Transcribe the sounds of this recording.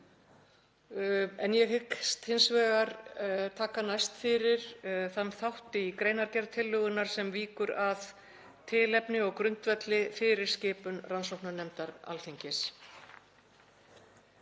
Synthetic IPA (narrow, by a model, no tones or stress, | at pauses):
ɛnjɛɣhɪkst̪hɪnsvɛːɣaɾt̪ʰaːkanajst̪fɪɾɪɾ̥θanːθawht̪ɪikɾeːjnaɾcɛɾt̪ʰɪlːʏɣʏnːaɾ̥sɛmviːkʏɾað | t̪ʰɪːlɛpnɪɔɣkɾʏn̥t̪vɛt̪lɪfɪɾɪɾ̥scɪːpʏnransowhknanɛmt̪aɾa̰lθiɲcɪs